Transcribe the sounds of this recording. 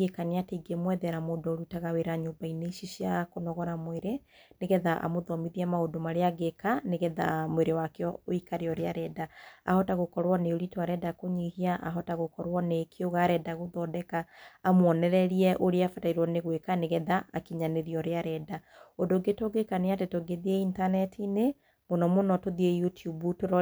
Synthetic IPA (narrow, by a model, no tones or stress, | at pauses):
ɡekaneateɡemwɛðɛɾamoːdooɾitaɣaweɾaɲombaineʃiʃiakonɔɣɔɾamweɾe | neɣɛðaʔa̰moðɔmiðiamaodomaɾeaɣekaneɣɛða̰mweɾewakeɔoikaɾeɔɾeaɾɛdaa̰hɔtaɣokɔɾwɔneoɾitwaɾɛdakoɲihiaʔaɦɔtaɣokɔɾwɔnekʰeoɣaɾɛdaɣoðɔdɛkaːmwɔnɛɾɛɾiɛʔoɾeafataiɾwɔneɣwekaneɣɛðaakiɲaneðiɔɾeaɾɛdaondoɡetoɡekaneatetoɡeðieintanɛtʰine | monɔmonɔtoðiejutʰjubutoɾɔ